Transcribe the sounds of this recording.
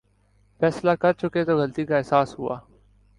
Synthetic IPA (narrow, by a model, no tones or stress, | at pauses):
fɛːslakɐɾt͡ʃʊket̪oɣɐlt̪ikaɛɦsaːsɦua̰ː